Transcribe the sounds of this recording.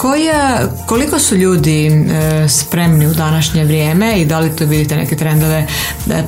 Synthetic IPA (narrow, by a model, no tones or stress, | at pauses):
kojakolikosuʎuːd̪i | spɾemniud̪anaʃɲe̞ʋɾʲjeːmeid̪alit̪oʋid̪it̪enḛket̪ɾend̪oʋe